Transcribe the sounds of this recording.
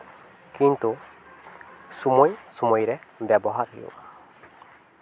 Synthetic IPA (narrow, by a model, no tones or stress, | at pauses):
kint̪u | sumɔjsumɔjɾɛbɛbɔɦaɾɦḭjo̰